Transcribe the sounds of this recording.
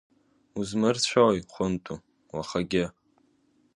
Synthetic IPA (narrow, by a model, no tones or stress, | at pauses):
uzmɨrt͡ɕʷʰawjχʷʊntʼu | waχaɡʲɪ